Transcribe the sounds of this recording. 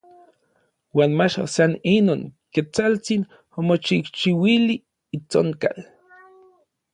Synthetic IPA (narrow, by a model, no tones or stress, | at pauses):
waːnmat͡ʃo̰saninoːŋket͡salt͡sin | omot͡ʃikt͡ʃiwiliː | t͡so̰ŋka̰l